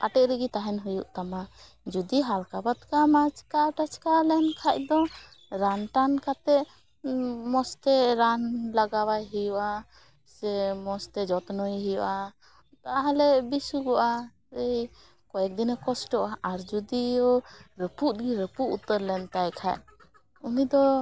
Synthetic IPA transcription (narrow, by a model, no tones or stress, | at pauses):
kaʈɛʔɾəɡit̪aɦɛnɦujṵʔt̪ama | d͡ʒud̪iɦalkabat̪kamat͡ʃkaʈat͡ʃkalɛnkʰac̚d̪ɔ | ɾanʈankat̪ɛ | mɔst̪ɛɾanlaɡawajɦijuʔa | sɛmɔst̪ɛd͡ʒɔt̪nɔjɦijɔʔa | t̪aɦalɛbisuɡɔʔa | ej | kɔjɛk̚d̪inakɔsʈɔʔaʔaɾd͡ʒud̪iɔɾəpuʔt̪̚ɡiɾəpuʔut̪əɾlɛnt̪ajkʰa̰ʔ | unid̪ɔ